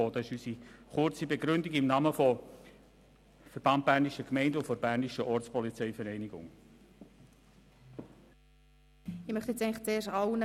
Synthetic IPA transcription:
oːdɑɪʃysiχʊrt͡sibeɡɾʏndiɡɪmnɑːməfɔ | fɛɾb̥ɑnt̚b̥æʁniʃəkmɛɪndəʊfoɾb̥æɾniʃəʔɔɾt͡spɔlit͡sɛɪfɛɾɛɪniɡʊ̰ŋ | ɪmœχt̪ɛt͡sɛɪŋləχt͡seːrʃɑwnə

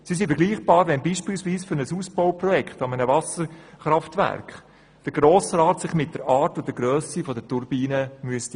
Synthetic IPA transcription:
sis̬ifəɾɡliːχb̥ɑːɾʋɛnbiːʃpɪːlsʋiːsfʏɾnəsuːsb̥oʊprɔjɛkχtɑmənəvɑsəɾχɾɑftʋæ̰ɾkχ | d̥əɾɡ̥ɾoːsɾaːtsɪχmɪt̚d̥əɾɑːɾtʊdəɡɾøːsifɔdətʊɾbiːnəmyəst

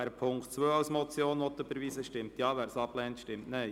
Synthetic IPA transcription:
æɾpʰʊŋktt͡sʋøːɑwsmɔt͡sjoːnʋɔt̪ːəb̥əɾʋiːsəʃtɪmtjɑːʋæːɾsɑplɛːntʃtɪmtneɪ

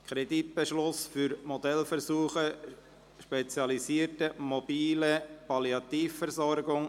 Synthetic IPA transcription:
kʰχɾɛdit̪b̥ɛʃlʊsfyɾmod̪ɛlfəɾsuːχə | ʃpɛt͡sjɑlisiətəmob̥iːləpɑliɑt̪iːfːəɾzɔɾɡʊŋ

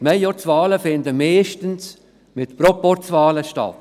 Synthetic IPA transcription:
mɛjjɔt͡svɑːləfɪndəmɛːʃtəns | mɪtpɾɔpɔɾt͡svɑːləʃtɑ̰t

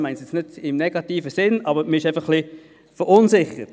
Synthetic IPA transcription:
maɪnsjɛt͡snɪd̥ɪmnɛɡ̥ɑtiːfəsɪnɑbəməɪʃaɪfɑχːli | fəɾʊnsɪχə̰t

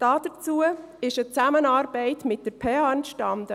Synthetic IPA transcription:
d̥ɑːd̥ət͡suə | ɪʃət͡sæmənɑːɾbɛɪtmɪt̚d̥əɾpʰɛɑnʃtɑndə

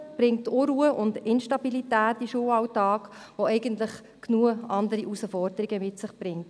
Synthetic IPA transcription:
b̥ɾɪŋtːuɾuːəʔʊndɪnʃtɑbilitæːtiʃuəɑwtɑːk | ʋoɛɪɡəntləχ | knuəɑndəɾiʔusəfɔɾd̥əɾiɡəmɪtsɪχb̥ɾɪŋt

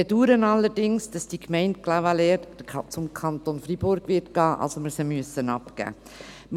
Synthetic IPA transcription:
eduːɾənɑlːəɾdɪŋsd̥ɑsd̥ikʰmɛɪnt̚klawalɛːɾdʰt͡sʊmkʰɑntonfɾib̥ʊɾɡ̥ʋɪɾtɡ̥ɑːʔɑ̰lsoməɾsəmyəsənɑpɡ̥æ̰ː

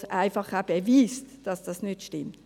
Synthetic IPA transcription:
ʔaɪfɑχæb̥eviːstd̥ɑsd̥ɑsnʏtʃtɪmt

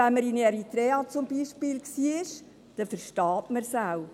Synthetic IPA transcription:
ɛnməɾinɛɾit̪ɾɛːɑt͡sʊmbiːʃpiːlksiːɪʃ | d̥ɛfəɾʃtɑːtməɾsaw

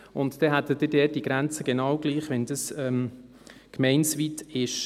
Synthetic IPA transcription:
ʊntd̥ɛɦæt̪ːəd̥ɪdɛːt̚diɡ̥ɾænt͡səɡ̥enɑːwɡ̥liːχʋɛnd̥̪əsɛm | kmɛɪnsviːtɪʃ

